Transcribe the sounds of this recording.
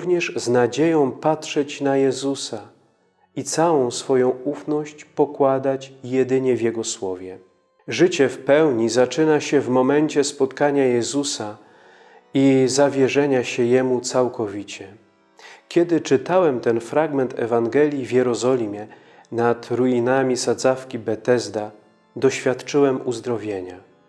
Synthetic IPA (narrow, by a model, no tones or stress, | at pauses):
vɲɛʐznad͡ʑejɔ̃w̃patʂɛt͡ɕnajɛzusa | it̪sawɔ̃w̃sfɔjɔ̃w̃ufnɔɕt͡ɕpɔkwad̪at͡ɕjɛd̪ɘɲɛvʲjɛɡɔswɔvʲjɛ | ʐɘt͡ɕɛfpɛwɲizat͡ʂɘnaɕɛvmɔmɛnt͡ɕɛspɔt̪kaɲajɛzusa | izavʲjɛʐɛɲaɕɛjɛmut̪sawkɔvʲit͡ɕɛ | kʲɛd̪ɘt͡ʂɘt̪awɛmt̪ɛnfɾaɡmɛnt̪ʰɛ̰vaŋɡɛlʲjivʲjɛɾɔzɔlʲimʲjɛ | nat̪ɾujinamʲisad̪zafkʲibɛt̪ɛzd̪a | d̪ɔɕfʲjat̪t͡ʂɘwɛmuzd̪ɾɔvʲjeɲa